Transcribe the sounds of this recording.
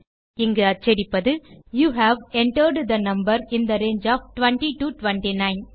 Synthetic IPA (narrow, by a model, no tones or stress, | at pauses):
ɪŋɡɐɐt͡ʃːɛɾɪpːɐðɯjuːɦæːʋɛɳʈəɾɖd̪ɐnɐmbɐɾɪnd̪ɐɾeːnd͡ʒaːfʈʋɛɳʈiʈuʈʋɛɳʈinãɪn